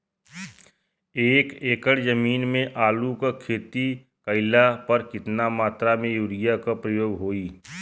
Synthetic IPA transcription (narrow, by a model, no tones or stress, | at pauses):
eːkeːkəɽd͡ʒəmiːnmẽʔaːlukakʰeːt̪i | kəɪlapɐɾkɪt̪namaːt̪ɾamẽjuːɽɪjakapɾəjoːɡɦoːiː